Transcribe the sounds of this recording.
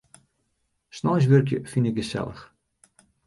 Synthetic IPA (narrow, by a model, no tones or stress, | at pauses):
snɔːjs̬ʋørkjə̰finɪk̚ɡəsɛ̰lˠə̰x